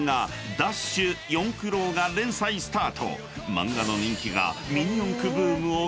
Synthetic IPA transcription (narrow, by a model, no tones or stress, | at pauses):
ŋa | d̪aɕɨjõ̞ŋkɯ̟ɾo̞ːɡaɾẽ̞ɰ̃saisɨ̥t̪aːt̪ʰo̞̰ | mã̰ŋɡano̞ɲ̟ĩŋkʲiɡa̰mʲiɲ̟iõŋkɯbɯːmɯ̟o